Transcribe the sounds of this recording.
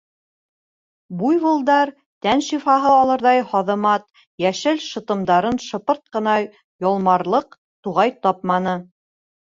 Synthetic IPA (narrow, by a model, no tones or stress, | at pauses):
bujβɤ̆lˠd̪ɑɾ | t̪ænʃifɑɦɤɑlˠɤ̆ɾðɑjhɑðɤ̆mɑt̪̚ | jæʃɘlʃɤ̆t̪ɤ̆md̪ɑɾɤnʃɤ̆pɤɾt̪̚qɤ̆nɑ | jɑlˠmɑɾlˠɤq̚ | t̪uʁɑjt̪ɑp̚mɑnɤ